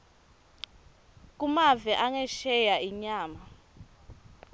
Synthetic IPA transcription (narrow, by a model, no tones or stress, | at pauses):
k̬ʼumavɛʔaŋɛʃɛjaiɲaːma